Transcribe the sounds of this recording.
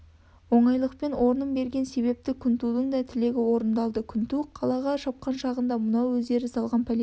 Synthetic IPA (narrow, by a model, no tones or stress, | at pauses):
wo̞ɴɑjlˠəqpe̞nwo̞ɾənəmbe̞ɾɡʲe̞nse̞βe̞p̚t̪ɪkʲʰʏnt̪ud̪əɴd̪ɑt̪ʰɪle̞ɡʲɪwo̞ɾənd̪ɑlˠd̪əkʲʰʏnt̪uqʰɑlˠɑʁɑʃɑp̚qɑnʃɑʁənd̪ɑmʊnɑwɵzd̪e̞ɾɪsɑlˠʁɑnpʰalʲe